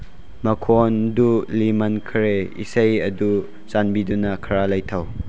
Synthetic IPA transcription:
mɐkʰɔndulimɐnkʰɐɾeḭsejɐdu | t͡ʃanbidunɐkʰɐɾalɐjt̪ʰɐw

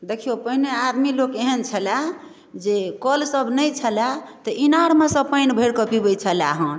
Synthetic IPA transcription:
d̪ekʰijopəɦinead̪milokeɦənt͡ʃʰəla | d͡ʒekəlsəbʱnəjt͡ʃʰəlat̪əʔinaɾmesə̃pəjnbʱəɽkəpibəjt͡ʃʰəla̰ɦə̃n

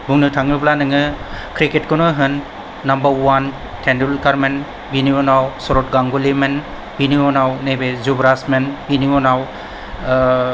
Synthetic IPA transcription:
buŋnɯtʰaŋɯblanɯŋɯkɾiketkʰonɔɦɯnː | ambaɾwan | tʰendulkaɾmen | biniɔnawsɔɾɔt̚ɡaŋɡulimen | biniɔnawnebezubɾasmenbiniɔnaw

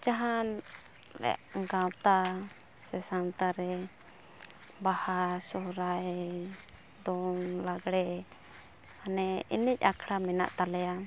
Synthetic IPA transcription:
t͡ʃaɦan | lɛ̰a̰ʔɡãwt̪a | sɛsant̪aɾɛ | bahasɔɾaj | d̪ɔŋlaɡɽɛ | anɛḭnic̚ˀakʰɽamɛna̰ʔt̪alɛja

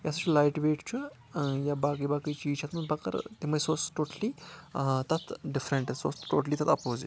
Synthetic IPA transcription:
jasɐt͡ʃʰulajʈʋeːʈt͡ʃʰu | jabakijbakəjt͡ʃiːt͡ʃʰɐt̪mɐnpɐkə̰ɾt̪imɐsoːsʈoʈəli | t̪ɐt̪ʰɖifɾɛɳʈɐsoːsʈoːʈəliːt̪ɐt̪ɐpoːzḭ

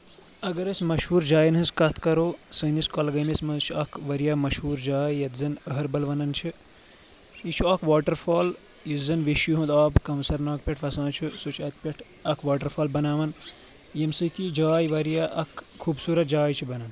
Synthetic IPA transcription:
ɐɡɐɾɐsʲmɐʃhuːɾd͡ʒaːjinɦɨskɐt̪ʰkɐɾoːsɐniskɐlɐɡɐnismɐnzt͡ʃʰiɐkʰʋɐɾijaːmɐʃhuːɾd͡ʒaːjːɐt̪zɐnəɦɐɾbɐlʋɐnɐnt͡ʃʰi | it͡ʃʰuɐkʰʋaːʈɐɾfʰaːl | jizɐnʋiʃjuɦũnd̪aːbkɐmsɐɾnaːk̚pʲeʈʰʋɐsãːt͡ʃʰisot͡ʃʰɐt̪̚pʲeʈʰ | ɐkʰʋaːʈɐɾfʰaːlbɐnaːʋɐn | jɐmsɨt̪id͡ʒaːjʋɐɾjaːʔɐkkʰːuːbsuːɾɐt̪̚d͡ʒaːjt͡ʃʰibɐnɐn

